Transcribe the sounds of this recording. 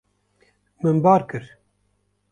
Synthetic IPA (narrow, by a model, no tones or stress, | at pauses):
mɨnbɑːɾkɨɾ